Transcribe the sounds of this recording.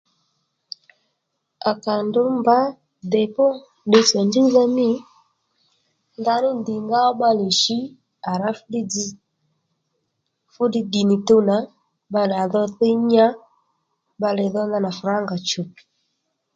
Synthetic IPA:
a˨ka˨ndo˦mba˦ | dɛ˨pɔ˦ | ɗe˦sɛ˨nd͡ʒi˦ða˦mi˦ | nda˨˦nu˦ndi˨ŋɡa˦ɔ˦ba˦li˨ʃi˦ | a˨ɾa˦fu˦di˦ | fu˦di˦ɡi˨ni˨tu˦na˨˦ | ba˦la˨ðɔ˦θe˦ɲa˦ | ba˧lɛ˨ðɔ˦nda˦˨na˨fu˨ɾa˦ŋɡa˨t͡ʃu˨pi̥˨

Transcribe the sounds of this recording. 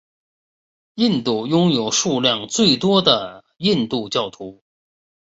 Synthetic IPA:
i˥˧nt̪u˥˩jʊ˥ŋjo˨˩ʊʂu˥˧ljɑ˥˧ŋt͡swe˥˩ɪt̪wɔ˥d̪ə˨˩ | i˥˧nt̪u˥˧t͡ɕjɑ˥˩ʊt̪ʰu˧˥

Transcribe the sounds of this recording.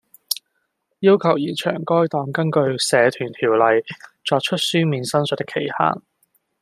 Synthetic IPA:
jiː˥wkʰɐ˨˩wjiː˨˩nt͡ʃʰœ̰ː˨˩ŋkɔː˥jt̪ɔː˨˧ŋkɐ˥nkɵ˧ɥsɛː˨˧t̪ʰyː˨˩nt̪ʰiː˨˩wlɐ˨jt͡ʃɔː˧k̚t͡ʃʰɵ˥t̚syː˥miː˨˧nsɐ˥nsɵ˨˥t̪ːɪ˥kʰːe˨˩jha̰ː˨˩ŋ

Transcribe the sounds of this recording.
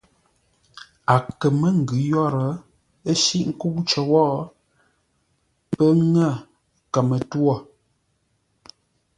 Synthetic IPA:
a˨kə˨mə˦ŋ̩˨ɡʉ˨˦jɔ˦ɾə˨ | ə˦ʃi˦ʔŋ̩˦ku˦pt͡ʃə˨wɔ˦ʔ | pə˦ŋə˦˨ | kə˨mə˨twɔ˦˨

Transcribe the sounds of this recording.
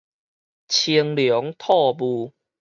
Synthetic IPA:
t͡ɕʰi˧əŋljɔ˨˦ŋt̪ʰɔ˥˧˨bu˧

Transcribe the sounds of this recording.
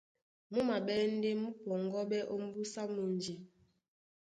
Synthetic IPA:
mu˦ma˨bɛ˦n̩˦de˦mu˦pɔ˨ŋɡɔ˦ɓɛ˦ʔo˦m˦bu˦sa˦mu˨n˨d͡ʒi˨

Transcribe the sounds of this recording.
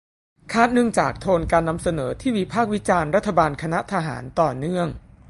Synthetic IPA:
kʰaː˥˩t̪̚nɯ˥˩əŋt͡ɕaː˨˩k̚t̪ʰoː˧nkaː˧nːa˧msa˧nɤː˩˦t̪ʰiː˥˩wi˦˥pʰaː˥˩k̚wi˦˥t͡ɕaː˧nɾa˦˥t̪ʰːa˧baː˧nkʰa˧na˦˥ʔt̪ʰa˧ɦa̰ː˩˦nt̪ɔː˨˩nɯ˥˩əŋ

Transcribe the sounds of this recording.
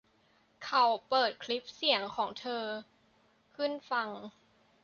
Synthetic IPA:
kʰa˨˩wpɤː˨˩t̪̚kʰli˦˥p̚si˩˦əŋkʰɔː˩˦ŋt̪ʰɤː˧ | kʰɯ˥˩nfa˧ŋ

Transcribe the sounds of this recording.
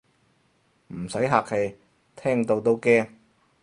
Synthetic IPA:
m̩˨˩sɐ˨˥jɦaː˨k̚he˨˧j | t̪ʰɛː˥ŋt̪o˧wt̪o˥wkɛː˥ŋ

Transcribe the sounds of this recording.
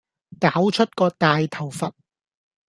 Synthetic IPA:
kaː˨˥wt͡ʃʰɵ˥t̚kɔː˧t̪aː˨jt̪ʰɐ˨˩wfɐ˨t̚

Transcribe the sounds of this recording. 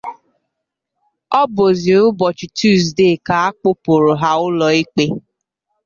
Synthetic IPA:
ɔ˦bo˨zi˨ʊ˦bɔ˨t͡ʃi˨tu˦˨zdeː˦˨ka˨a˦k͡po˦po˨ɾʊ˨ɦa˦ʊ˦lɔ˨i˦k͡pe˦

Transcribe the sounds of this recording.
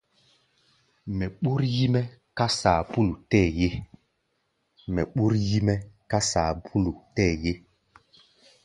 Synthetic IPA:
mɛ˨ɓu˦ɾji˦mɛ˦ka˦saː˨pu˦lu˨tɛː˦˨je˦ | mɛ˨ɓu˦ɾji˦mɛ˦ka˦sa˨pʰu˦lu˨tɛ˦˨je˦

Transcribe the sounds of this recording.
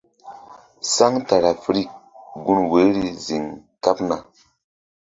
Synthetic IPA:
sa˦ŋta˨ɾa˨fɾi˦˨k̚ɡu˦nwe˨˦ɾi˦zi˨ŋka˦pna˨

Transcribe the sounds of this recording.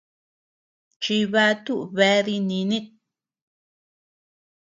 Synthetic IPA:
t͡ʃi˧βa˧˦t̪u˦ʔβe˧˦ði˧nĩ˧nĩ˦t̪̚

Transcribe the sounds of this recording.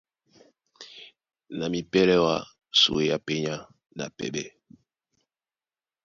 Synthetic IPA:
na˨mi˨pɛ˦lɛ˦wa˦ | sṵ˨e˨ja˦pɛ˦ɲa˦ | na̰˨pɛ̰˨ɓɛ˦

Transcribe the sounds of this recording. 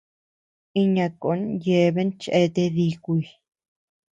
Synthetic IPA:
i˦˧ɲã˧ko˨˦nje˧βe˦nt͡ʃʔe˧t̪e˧ði˧kʷi˧i˧

